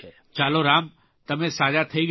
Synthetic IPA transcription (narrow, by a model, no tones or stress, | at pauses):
t͡ʃaːloɾaːm | t̪ɐmẽsaːd͡ʒat̪ʰeɡ